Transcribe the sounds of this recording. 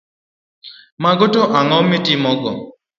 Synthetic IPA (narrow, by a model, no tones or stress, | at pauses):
maɡotɔʔaŋɔmɪtʼɪmɔɡɔ̰